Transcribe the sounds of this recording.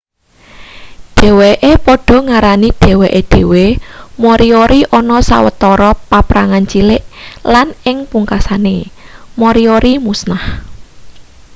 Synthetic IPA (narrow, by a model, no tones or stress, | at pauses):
ɖ̥ɛ̤weʔepɔɖ̥ɔ̤ŋaɾaniɖ̪̥e̤weʔeɖ̥e̤wemɔɾioɾiʔɔnɔsa̰wə̰t̪ɔɾɔpapɾaŋant͡ʃilɪʔlanɪŋpuŋkasanemɔɾioɾimusnah